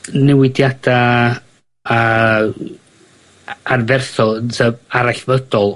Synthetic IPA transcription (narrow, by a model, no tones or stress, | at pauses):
nɛwɪdjad̥a | a | arvɛrθɔənsʰəaɾaɬvədɔlˠ